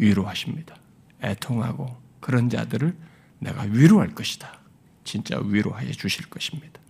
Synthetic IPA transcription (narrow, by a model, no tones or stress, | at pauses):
ɥiɾoɦaɕʰimɲid̥ḁ | e̞̰tʰoŋɦa̰ɡokɯɾʌnd͡ʑa̰dɯɾɯɭ | ne̞̰ɡa̰ɥiɾoɦaɭk͈ʌɕʰi̥d̥ḁ | t͡ɕint͡ɕ͈a̰ɥiɾoɦajʌ̰d͡ʑuɕʰiɭk͈ʌɕʰi̥mɲid̥ḁ